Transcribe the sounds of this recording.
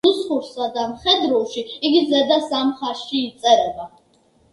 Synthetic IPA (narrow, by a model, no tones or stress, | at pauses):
usχʊrsad̪amχɛd̪rowʃiiɡʲizɐd̪asamχaʃiːt͡sʼɐɾɛba